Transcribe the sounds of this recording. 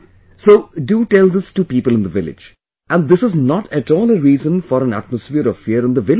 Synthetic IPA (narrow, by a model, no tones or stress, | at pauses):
soːɖuʈɛlˠd̪ɪstupiːpəlˠɪ̃nd̪əvɪlɪ̰̥d͡ʒ | ʔæ̃nd̪ɪsɨznɔʈʰɨʈɔːlˠəɾiːzə̃nfɔɾə̃næ̰ʈ̚məsfiəɾɔv̥fiəɾɨ̃nd̪əvɪl